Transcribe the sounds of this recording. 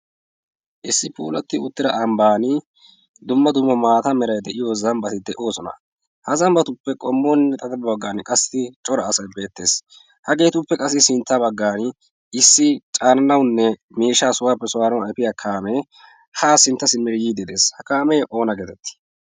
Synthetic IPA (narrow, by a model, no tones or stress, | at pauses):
ʔɪsːɪpʰṵːlɐt̪ːɪʊt̪ːɪdɐʔɐmbaːnɪ | d̪ʊmːɐd̪ʊmːɐmaːt̪ɐmɛɾɐjd̪ɛʔɪjoːzɐmbɐt̪ɪd̪ɛʔo̞ːsɔnɐ̰ | hɐzɐmbɐt̪ʊpːɛkʼɔmːoːnːɛt̪ʼɐd̪ɐbɐbɐɡːaːnkʼɐsːɪt͡ʃʼɔɾɐːsɐjbe̞ːt̪ːe̞̰ːs | hɐɡe̞ːt̪ʊpːɛkʼɐs̬ːɪsɪnt̪ːɐbɐɡːaːn | ɪsːɪt͡ʃʼaːnɐnɐwnːɛ | miːʃːaːsʊwaːpːɛsʊwaːnɐwɛpɪjakʰaːmɛ | haːsɪnt̪ːɐsɪmːɪɾjiːd̪ɛd̪e̞ːshɐkaːmɛjʔo̞ːnɐɡeːt̪ɛt̪ːɪ̥